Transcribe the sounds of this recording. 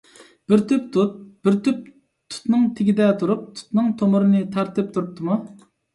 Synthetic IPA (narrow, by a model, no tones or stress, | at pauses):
b̥ɪɾt̪yp̚t̪̚b̥ɪɾt̪ʰyp̚ | t̪ʰu̥t̪nɨŋt̪ʰɪɡʲid̪ɛt̪ʰuɾup̚t̪ʰu̥t̪nɨŋt̪ʰomʊɾɨnɨt̪ʰɑɾt̪ɨp̚t̪ʰuɾup̚t̪ʰɨmu